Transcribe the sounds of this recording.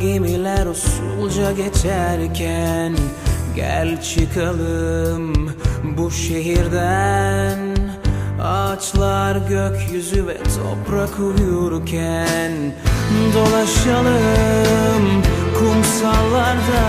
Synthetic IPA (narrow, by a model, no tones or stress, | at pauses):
ɟemilæɾusulˠd͡ʒaɟet͡ʃʰæɾcʲʰænɟæ̰lʲt͡ʃʰɯkʰalˠɯmbuʃe̞ɦiɾd̪æn | at͡ʃlˠaɾɟøkʰʲjyzyvɛ̰t̪ʰo̞̰pɾakʰuujuɾkʲʰænd̪o̞lˠaʃalˠɯ | mkʰumsalˠːaɾd̪a